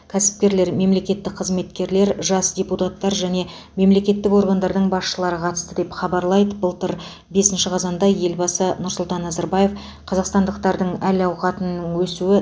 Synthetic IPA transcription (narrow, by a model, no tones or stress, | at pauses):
kʲʰæsɪ̥p̚kʲe̞ɾle̞ɾme̞mle̞kʲe̞t̪ːɪk̚qʰəzme̞t̪kʲe̞ɾle̞ɾʒɑsdʲeput̪at̪ːɑɾʒæne̞ | me̞mle̞kʲe̞t̪ːɪko̞ɾɡɑnd̪ɑɾd̪əɴbɑsʃəlˠɑɾəqʰɑt̪əst̪əd̪e̞pχɑbɑɾlˠɑjd̪əbəlˠt̪əɾ | be̞sɪnʃɪqʰɑzɑnd̪ɑje̞lbɑsənʊɾsʊlˠt̪ɑnːɑzɑɾbɑje̞f | qʰɑzɑqst̪ɑnd̪əqt̪ɑɾd̪əɴælɑwqɑt̪ənːəŋwɵsuɪ